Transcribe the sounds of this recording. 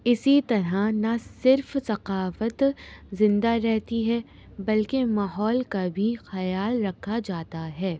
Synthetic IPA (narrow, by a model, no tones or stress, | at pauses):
ɪsit̪ɐɾanasɪɾfsɐqaːfət̪zɪ̃nd̪aɾɛɦt̪iɦɛ | bɐlkemaːɦɔːlkabʱixɐjaːlɾɐkʰːad͡ʒaːt̪aɦɛː